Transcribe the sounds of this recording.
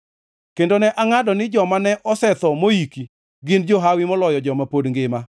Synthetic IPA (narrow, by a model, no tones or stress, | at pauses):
kendonɛʔaŋadɔnɪd͡ʒɔmanɛʔɔsɛt̪ɔmoiki | ɡɪnd͡ʒoɦawɪmɔlɔjɔd͡ʒɔmapodŋɡɪma